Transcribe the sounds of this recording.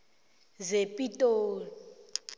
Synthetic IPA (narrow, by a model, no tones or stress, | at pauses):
zepʼitʼoːlɔ